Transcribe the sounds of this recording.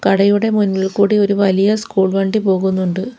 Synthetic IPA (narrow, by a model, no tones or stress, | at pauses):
kɐɽɐjuɽe̞munːiɭkuːɽioɾuʋɐlijɐskuːɭʋeːɳɖipo̞ːɣunːuɳɖɨ